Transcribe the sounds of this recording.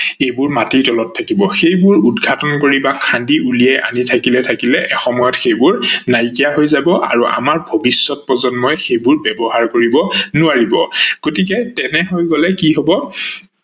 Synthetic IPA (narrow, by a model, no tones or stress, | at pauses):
ejbʊɹmatitɔlɔtʰːakibɔxejbʊɹudɡʱatɔnkoɹibakʰandiʔulijajʔa̰nitʰakilɛtʰakilɛʔɛxɔmɔjɔtxejbʊɹnajkijaɦojzabɔʔa̰ɹuʔa̰maɹbʱobisːɔt̚pɹɔzɔnmɔjɛxejbʊɹbɛbɔɦaɹkoɹibɔnʊaɹibɔɡ̥otikɛtɛnɛɦojɡɔlɛkiɦɔbɔ